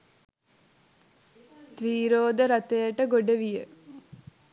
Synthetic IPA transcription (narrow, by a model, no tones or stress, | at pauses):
t̪ɾiːɾoːd̪əɾat̪əjəʈəɡoɖəʋijə